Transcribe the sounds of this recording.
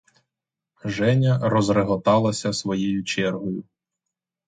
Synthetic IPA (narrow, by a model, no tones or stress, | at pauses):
ʒɛnʲɐɾɔzreɦɔt̪ɑlˠɐsʲɐsʋɔjejʊt͡ʃɛrɦɔjʊ